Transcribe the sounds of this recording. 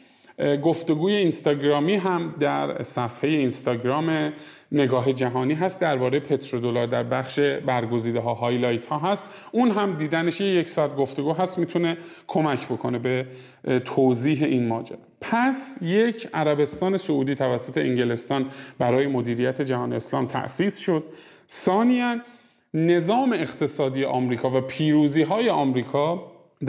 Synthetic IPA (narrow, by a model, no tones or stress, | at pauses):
ɡoft̪e̞ɡuːje̞inst̪ɒːɟɾɒːmiːɦæmd̪æɾsæfhejeinst̪ɒːɟɾɒːme | ne̞ɡɒːɦe̞d͡ʒæɦɒːniːɦæst̪̚d̪æɾbɒːɾejepʰe̞t̪ʰɾod̪olɒːɾd̪æɾbæxʃe̞bæɾɡo̞ziːd̪eɦɒːɦɒːjlɒjt̪ʰhɒːɦæst̪ | ʔunɦæmd̪iːd̪æneʃeje̞cʰsɒt̪̚ɡo̞ft̪o̞ɡuːɦæst̪mit̪ʰune̞ | kʰo̞mæcʰbo̞kʰo̞ne̞be̞ | t̪ʰoːziːɦe̞ʔinmɒːd͡ʒæ̰ɾ | pʰæsje̞cʰæɾæbe̞st̪ɒːne̞souːd̪iːt̪ʰævæsːo̞t̪ʰe̞ʔiŋɟele̞st̪ɒːnbæɾɒːje̞mod̪iːɾijæt̪ʰe̞d͡ʒæɦɒːneeslɒːmt̪ʰæ̰ʔsiːsʃo̞d̪̥̚ | sɒːnijænː | e̞zɒːme̞ːχt̪ʰe̞sɒːd̪ijeʔɒːmɾiːkʰɒːvæpʰiːɾuːziːɦɒːje̞ɒːmɾiːkʰɒː | d̪